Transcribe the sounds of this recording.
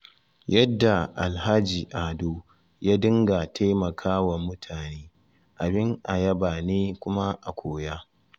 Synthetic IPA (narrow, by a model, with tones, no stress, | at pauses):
jɐ˦dːa˨ʔa˨lɦa˦d͡ʒiː˨ʔaː˨doː˦ | jaː˦dɪ˦ŋɡa˨tʰa˦jmɐ˨kʰaː˦wɐ˨mːʊ˦tʰaː˨neː˦ | ʔa˨bɪ˦ŋʔa˨jɐ˦baː˨neː˦kʷʊ˦ma˦ʔa˨kʷʰoː˦jaː˦